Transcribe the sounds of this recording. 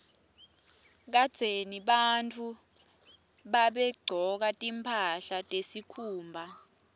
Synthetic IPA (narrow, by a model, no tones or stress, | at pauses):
k̬ad̥ʱeniɓantʰu | ɓaɓɛɡ͡ǀʱɔk̬atʼimpʰaɬatʼesikʰuːmbʱa